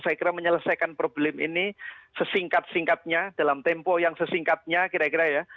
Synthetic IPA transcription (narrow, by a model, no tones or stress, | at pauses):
sajakiɾaməɲələsajkanpɾoblɛmḭnisəsiŋkat̪̚siŋkat̪̚ɲad̥alamt̪ɛmpɔjaŋsəsiŋkat̪̚ɲakiɾakiɾaja